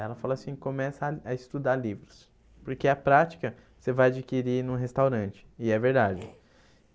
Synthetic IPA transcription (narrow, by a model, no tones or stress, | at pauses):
ɛlɐfalɐasĩkõmɛsɐɐɪst̪ud̪aɾlivɾʊs | poɾkeɐpɾat͡ʃi̥kɐ | sevajad͡ʒikiɾinũɦest̪awɾɐ̃nt͡ʃɪ̥ɪɛveɾd̪ad͡ʒɪ